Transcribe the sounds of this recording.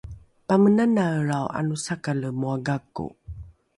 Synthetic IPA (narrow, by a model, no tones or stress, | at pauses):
pamənanaɾawʔa̰nusakaləmuaɡakṵ